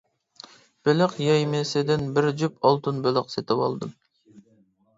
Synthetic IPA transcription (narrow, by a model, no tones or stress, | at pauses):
b̥ølɪqjɑjmesɪd̪ɪnbɪɾd͡ʒypʰolˠt̪ɨnbølɪqset̪ʰɪwɑlˠd̪ɨm